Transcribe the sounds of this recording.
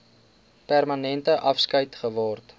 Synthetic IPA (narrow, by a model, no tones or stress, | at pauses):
pærmɐnɛntəʔɐfskəjtχəvɑːrt